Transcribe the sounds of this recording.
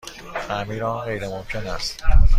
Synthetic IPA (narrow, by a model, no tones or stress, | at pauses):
æmiɾɒnɣejɾemomkʰenæst̪